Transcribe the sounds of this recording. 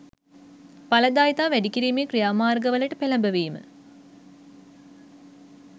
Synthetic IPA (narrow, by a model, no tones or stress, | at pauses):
palɐd̪aːjt̪aːʋæɖikiɾiːmeːkrijaːmaːrɡəʋələʈəpelɐmbəʋeːmə̰